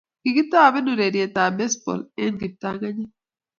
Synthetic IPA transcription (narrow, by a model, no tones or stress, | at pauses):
kiɡit̪ːaːβenuɾeɾijet̪aːbesbo̰lenɡip̚t̪aːɡɐɲi